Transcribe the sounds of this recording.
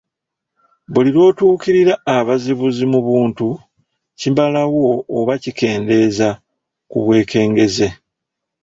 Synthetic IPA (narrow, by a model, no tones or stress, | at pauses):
βuliɾo̞ːtuːkiɾiɾaːβaziβuzimuβuːntu | cimbalawo̞ːβacike̞ːnde̞za | kuβwe̞ːke̞ːŋɡe̞ze̞